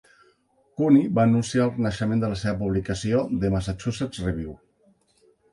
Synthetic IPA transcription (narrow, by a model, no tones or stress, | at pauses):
kuniβaːnunsiaəlˠknəʃəmẽnd̪ələseβəpuβlikəsioðəməsat͡ʃusesreβjiw